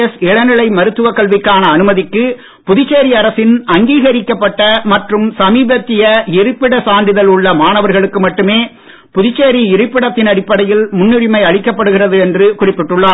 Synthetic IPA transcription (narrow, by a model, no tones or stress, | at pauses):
ɐsɛɭɐnɪɭɐɪmɐɾɯt̪ːɯʋɐkɐɭʋɪkːaːnɐːnɯmɐðɪkːɯ | pʊðɪt͡ʃːeːɾiɐɾɐsɪnɐŋɡiːɣɐɾɪkːɐpːɐʈːɐmɐʈrɯmsɐmiːbɐt̪ːɪjɐɪrɯpːɪɽɐsaːnd̪ɪðɐlʊɭːɐmaːnɐʋɐɾɣɐɭɯkːɯmɐʈːɯmeː | pʊðɪt͡ʃːeːɾiɪɾɯpːɪɽɐt̪ːɪnɐɽɪpːɐɽɐjɪlmʊnːɪɾɪmɐɪɐɭɪkːɐpːɐɽɯɣɪrɐðɯɛndrɯkʊrɪpːɪʈːɯɭːaː